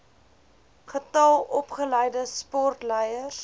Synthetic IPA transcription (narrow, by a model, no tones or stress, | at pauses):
χətɐlˠɔpχəlɛjdəspɔrtlɛjər